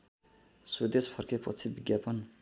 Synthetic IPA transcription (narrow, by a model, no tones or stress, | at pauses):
sud̪espʰʌrkʰepʌt͡sʰibiɡjapʌn